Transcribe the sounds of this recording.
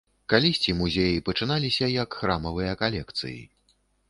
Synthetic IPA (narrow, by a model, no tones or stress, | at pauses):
kalʲisʲt͡sʲimuzʲejipɐt͡ʂɨnalʲisʲɐjɐkxɾamɐvɨjɐkalʲɛkt̪sɨ̰jḭ